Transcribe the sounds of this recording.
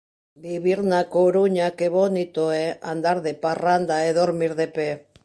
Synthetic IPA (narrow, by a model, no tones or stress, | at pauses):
biβiɾnakoɾuɲake̞βo̞nit̪oeand̪aɾðeparand̪aeðoɾmiɾðepe